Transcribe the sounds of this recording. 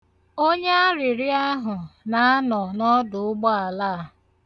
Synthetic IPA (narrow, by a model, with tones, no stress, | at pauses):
o˦ɲe˦a˦ɾɪ˨ɾɪ˦a˦ɦʊ˨na˨a˦nɔ˨nɔ˦dʊ˨ʊ˦ɡ͡bɔ˦a˨laː˦˨